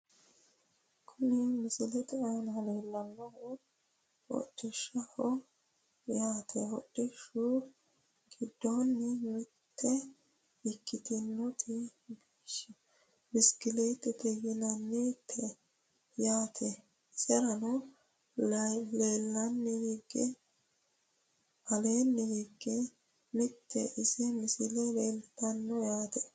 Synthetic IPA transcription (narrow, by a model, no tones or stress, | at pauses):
kʰʊnɪmɪsɪlɛt̪ʼɛaːnɐleːlːɐnːɐhɔ | ɔ̰tʼːɪʃːɐhɔ | jaːt̪ʰɛhɔɗɪʃuʊ | ɡɪd̪ːonːɪmɪt̪ʰːɛ | ɪkːɪt̪ɪnːɔt̪ʼɪbiːʃːɛ | mɪskɪlet̪ːɛt̪ɛɡɪnɐnːit̪ʰːɛ | jaːt̪ʰɛ | sɛɾɐnʊ | leːlːɐnːɪɡɪɡːɛ | ɐleːnːɛɡɪɡːɛ | mɪt̪ːɛʔɪsɛmɪsɪlɛleːlt̪ːɐnːɔjaːt̪ɛ̥